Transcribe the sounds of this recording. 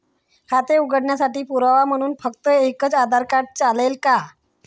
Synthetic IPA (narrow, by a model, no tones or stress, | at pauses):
kat̪euɡəɽɳjasaʈiːpuɾaʋam̤əɽ̃uːnfəkt̪əekət͡sad̪ʱaɾkaʈ̚t͡salelka